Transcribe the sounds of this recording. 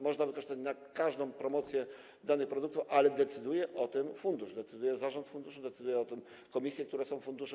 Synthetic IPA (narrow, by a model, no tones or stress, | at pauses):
mɔʐnavɘkɔʂt̪at͡ɕnakaʐd̪ɔ̃w̃pɾɔmɔt̪sʲjɛ | d̪anɘxpɾɔd̪uk̚t̪ufʔalɛd̪ɛt̪sɘd̪ujɛʔɔt̪ɘmfund̪uʐd̪ɛt̪sɘd̪ujɛzaʐɔnt̪fund̪uʂud̪ɛt̪sɘd̪ujɛɔt̪ɘm | kɔmʲisʲjɛk̚t̪uɾɛsɔ̃w̃fund̪uʂɛ